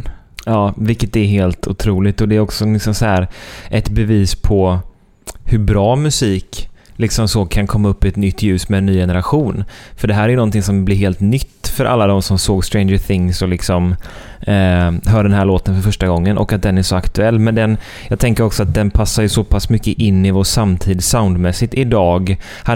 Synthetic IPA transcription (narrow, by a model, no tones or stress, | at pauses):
ɑːvɪkːət̪d̪ɛæɾɦeːlt̪ʰʊt̪ʰɾuːlɪkt̪ɔd̪ɛæɾɔksɔlɪksɔmsɔhæːɾʔɛt̪bɛviːspʰɔ | hɵɾbɾɑːmɵsiːklɪksɔmsɔkʰankʰɔmːaɵpːɪɛt̪nʏt̪ːjʉ̟ːsmɛːnːyːjɛnəɾaɧuːnfœɖɛɦæːɾæɾjɵnɔnt̪ɪŋsɔmblɪɾɦeːlt̪nʏt̪ːfœɾʔa̰lːad̪ɔmsɔmsoːɡst̪ɾẽɪnd͡ʒəθɪŋsɔlɪksɔmː | ɦœːɖɛnɦæːɭoːt̪ənfœɾfœʂʈaɡɔŋːənʔɔ̰kat̪̚d̪ɛnæɾʂɔakt̪ɵɛlːmɛnd̪ɛn | jɑːɡt̪ʰɛŋkəɾɔksɔat̪̚d̪ɛnpʰasːajɵsɔpʰasmʏkːəʔɪnːɪvoʂamt̪ʰiːd̪saʊnd̪mɛsɪt̪ɪd̪ɑːɡ | ha